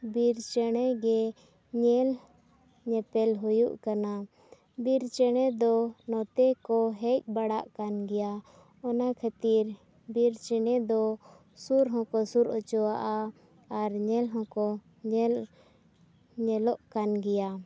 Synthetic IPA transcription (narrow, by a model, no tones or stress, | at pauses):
biɾt͡ʃɛɽ̃ɛɡɛ | ɲɛl | ɲɛpɛlɦujṵʔkana | biɾt͡ʃɛɽ̃ɛd̪ɔnɔt̪ɛkɔɦɛc̚baɽaʔkanɡɛja | ɔnakʰat̪iɾ | biɾt͡ʃɛɽɛd̪ɔ | suɾɦɔ̃kɔsuɾɔt͡ʃɔwaʔaː | ɾɲɛlɦɔ̃kɔ | ɲɛl | ɲɛlɔʔkanɡɛja